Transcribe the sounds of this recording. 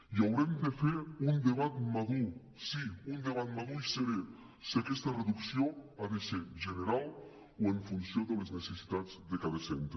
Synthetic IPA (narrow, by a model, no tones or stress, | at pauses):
jawɾemd̪əfeɾund̪eβ̞at̪maðu | siund̪eβ̞at̪̚maðuiseɾe | sakɛst̪əreðuksioaðeseʒəneɾalˠ | oəɱfunsioðəleznesesi̥t̪ad͡zðəkaðəsent̪ɾə